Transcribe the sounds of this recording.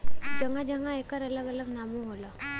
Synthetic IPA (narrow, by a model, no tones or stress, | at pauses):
d͡ʒəŋad͡ʒəŋaekəɾələɡələɡnabuɦola